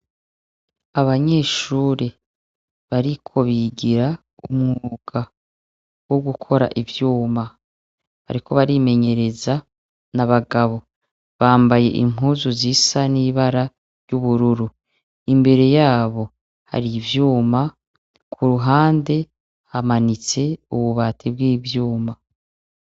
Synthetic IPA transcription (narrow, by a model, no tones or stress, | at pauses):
aβaɲe̞ːʃuːɾe | βaɾikʰo̞βiɟiɾa | umŋuːɡ̥a | woɡukʰo̞ɾa̰ʔivjuːma | βa̰ɾikʰo̞βaɾime̞ɲe̞ɾe̞za | naβaɡaβo̞ | βaːmbaje̞̰ʔḭm̥ɦuːzuziːsaniβaɾa | ɾjuβuɾuɾu | imbe̞ɾe̞jaːβo̞ | ha̰ɾivjuːma | kʰuɾuɦaːnde̞ | hamanit͡se̞uβuβatʰibɡiːvjuːma